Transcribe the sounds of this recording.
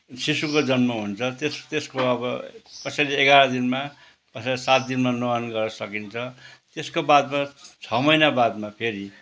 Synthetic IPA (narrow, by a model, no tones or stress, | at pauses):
sisukod͡zʌnmʌɦunt͡sʰʌt̪est̪eskoʌbʌ̰kʌsʌjleːɡaɾʌd̪inma | kʌssat̪̚d̪inmanoʌnɡʌrnʌsʌkint͡sʰʌt̪eskobad̪mat͡sʰʌmʌjnabad̪̚mapʰeɾi